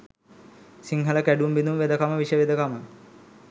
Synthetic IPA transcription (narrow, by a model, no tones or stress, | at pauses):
siŋɦələkæɖumbinumʋed̪əkaməʋiʂəʋid̪əkamə